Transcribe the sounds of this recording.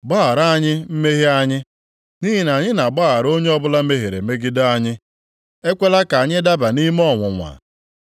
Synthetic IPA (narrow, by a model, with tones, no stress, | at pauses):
ɡ͡ba˦a˨ɾa˦˨ɲɪ˦m̩˦me˦ɦi˦a˦ɲɪ˦ | ni˦ɦi˨na˨ɲɪ˦na˨ɡ͡ba˦a˨ɾo˦ɲe˦ɔ˦bʊ˦la˦me˦ɦe˨ɾḛ˨me˦ɡɪ˦da˦a˦ɲɪ˦ | e˦kʷe˦la˦ka˨ɲɪ˦da˦ba˨ni˦m˦ɔ˦˨ŋʷʊ˨ŋʷa̰˨